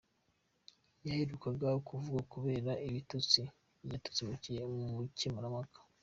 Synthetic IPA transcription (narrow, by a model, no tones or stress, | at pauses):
jahiɾukaɡaokʰuvuɡakuβe̞ːɾaiβitut͡si | jatu̥t͡simucijeucemuɾamakḁ